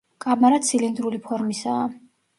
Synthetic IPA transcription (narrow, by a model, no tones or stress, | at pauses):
kʼamaɾat̪sʰilind̪ɾulipʰɔɾmisaː